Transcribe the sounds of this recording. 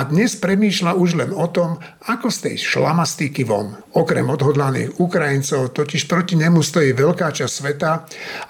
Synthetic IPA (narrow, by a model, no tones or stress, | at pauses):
ad̪ɲɛspɾɛmiːʃlauʒlɛnɔt̪ɔm | akɔst̪ɛ̰jʃla̰mast̪ikiʋɔ̰n | ɔkɾɛ̰mɔd̪ɦɔd̪lanḭːɣukɾajint͡sɔʊt̪ɔciʃpɾɔciɲɛmust̪ɔjiːʋɛʎkaːt͡ʃassʋɛt̪a